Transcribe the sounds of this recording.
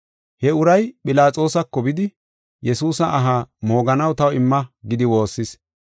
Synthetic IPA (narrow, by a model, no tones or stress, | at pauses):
hɛʊɾɐjpʼɪlaːt͡sʼo̞ːsɐkːɔbɪd̪ɪ | jɛsuːsɐʔːɦaːmo̞ːɡɐnɐwt̪ɐwɪmːɐɡɪd̪ɪwo̞ːsːɪs